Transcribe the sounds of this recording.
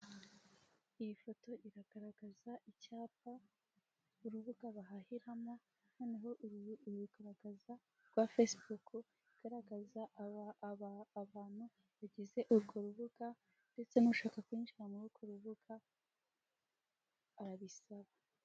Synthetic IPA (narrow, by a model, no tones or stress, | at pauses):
ijifo̞to̞ʔiɾaɡ̥aɾaɡazaʔicaːpa | uɾuβuɡaβaɦahiɾama | no̞ːneɦo̞ʔɡuɡaɾaɡaza | ɾɡwafesbuku | iɡ̥aɾaɡaza | βaːn̥hu | βaɟize̞ʔuɾɡo̞ɾuβuɡa | nde̞t͡se̞nuʃaːkakwiːnʃiɾamuɾuɾɡo̞ɾuβuɡ̥a | ɾaβisaβa